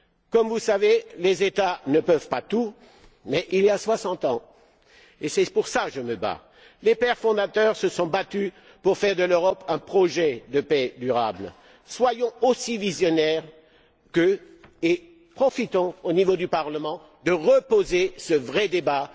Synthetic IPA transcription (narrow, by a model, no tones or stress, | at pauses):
kɔmvusavelezet̪anəpœvpat̪u | mɛʔiliaswasɑ̃t̪ɑ̃ | esɛpuʁsaʒəməba̰ | lepɛʁfɔ̃d̪at̪œʁsəsɔ̃bat̪y | puʁfɛʁd̪əløʁɔpɛ̃pχɔʒɛd̪əpɛd̪yʁa̰blə | swajɔ̃osivizjɔnɛʁ | kə | e | pχɔfit̪ɔ̃onivod̪ypaʁləmɑ̃ | d̪əʁəpozesəvʁɛd̪eba